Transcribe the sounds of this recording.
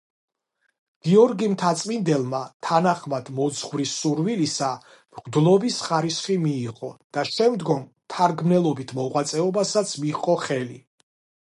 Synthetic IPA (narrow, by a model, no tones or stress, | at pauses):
ɡ̥iɔɾɡimt̪ʰat̪sʼmind̪ɛlˠmat̪ʰanaχmad̪̥mɔd̪zʁvɾisːuɾwilisa | mʁd̪lˠɔbisχaɾisχimiːʁɔd̪̥aʃɛmd̪ɡɔm | t̪ʰaɾɡmnɛlˠɔbit̪ʰmɔʁwat̪sʼɛɔbasat̪sʰmiqʼɔχɛli